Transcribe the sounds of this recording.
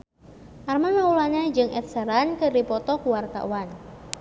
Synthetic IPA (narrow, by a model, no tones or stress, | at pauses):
ʔarmaŋaulaɲad͡ʒɨŋʔɛ̰t̪̚səɾankədipɔt̪ɔkuwart̪a̰wan